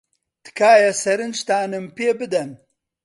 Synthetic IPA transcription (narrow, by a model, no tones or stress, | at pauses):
t̪ɨ̥kʰaːjɐsɐɾɨnd͡ʒt̪aːnɨmpeːbɨd̪ɐn